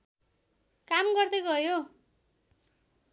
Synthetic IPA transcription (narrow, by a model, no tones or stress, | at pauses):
kamɡʌrd̪ʌɡʌjo